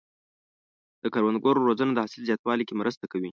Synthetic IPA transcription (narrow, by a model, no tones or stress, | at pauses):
d̪əkaɾwand̪ɡoɾoɾozənod̪əhasɪlzjɑt̪wɑlikemɾʔəst̪akawi